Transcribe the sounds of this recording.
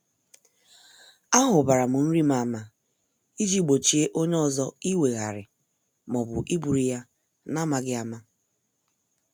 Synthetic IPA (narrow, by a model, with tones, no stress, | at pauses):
a˦ɦʊ˨ba˨ɾa˨mʊ˨n̩˦ɾi˦ma˨ma˨ | i˦d͡ʒi˦ɡ͡bo˨t͡ʃi˨˦e˦ʔo˦ɲe˦ɔ˦zɔ˦i˦we˨ɣa̰˨ɾɪ̰˨ | mɔ˨bʊ̰˨ʔi˦bu˨ɾi˨ja˦ | na˦ma˨ɡɪ˦a˨ma˦